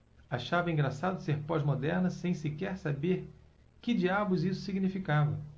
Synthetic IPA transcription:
aʃavɐĩŋɡɾasad̪ʊseɾpɔzmod̪ɛɾnɐsẽj̃sikɛɾsabeɾ | kɪd͡ʒiabʊzisʊ̥siɡnifikavɐ

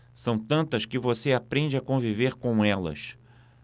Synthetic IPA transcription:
sɐ̃w̃t̪ɐ̃nt̪ɐʃkɪvoseapɾẽnd͡ʒɪakõviveɾkõw̃ɛlɐ̰ʃ

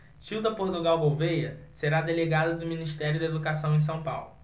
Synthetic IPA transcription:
t͡ʃiwd̪ɐpoɾt̪uɡawɡowvejɐseɾad̪eleɡad̪ɐd̪ʊminiʃt̪ɛɾjʊd̪ɐed̪ukasɐ̃w̃ẽs̬ɐ̃w̃pa̰wlʊ

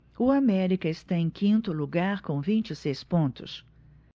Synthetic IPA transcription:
ʊamɛɾikɐɪst̪aẽj̃kʰĩnt̪ʊluɡaɾkõvĩnt͡ʃɪsejspõnt̪ʊ̰s

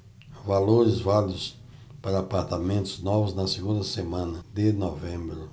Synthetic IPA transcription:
valoɾɪzvalid̪ʊs | paɾɐːpaɾt̪amẽnt̪ʊznɔvʊznɐseɡũnd̪ɐsemɐ̃nɐd̪ɪnɔvẽmbɾʊ

